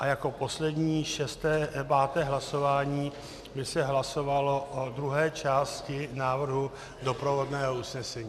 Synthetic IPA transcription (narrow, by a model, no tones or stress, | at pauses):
ʔajako̞po̞slɛdɲiːʃɛst̪ɛːpaːt̪ɛːɦlaso̞vaːɲiː | bɪsɛɦlaso̞valo̞ʔod̪ɾuɦɛːt͡ʃaːscɪnaːvr̩ɦu | do̞pɾo̞vo̞dnɛːɦousnɛsɛɲiː